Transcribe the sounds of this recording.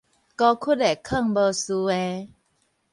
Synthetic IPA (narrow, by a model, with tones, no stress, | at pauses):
kɔ˧kʰu˦˥t̚e˨˩kʰə˥˧˨ŋbə˧su˧e˧